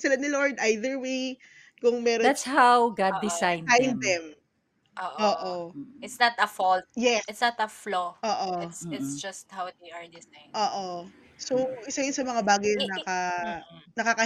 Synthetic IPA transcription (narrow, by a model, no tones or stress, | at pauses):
sɪlanɪloɹd̪ajðɛɹwej | kʊŋmɛːɾod̪at̪shawɡad̪̚d̪ɪsajnajnd̪ɛm | ʔoːʔoːʔoʔɪt̪snɐt̪ɐfɔlt̪̚jɛɪt̪snɐt̪ɐfloʔoːʔoɪsɪtsd͡ʒɐst̪̚hawd̪ejɐɹd̪ɪsajoːʔo | sowʔɪsajʊnsɐmɐŋabaːɡɐjnɐkɐ | nɐkakɐ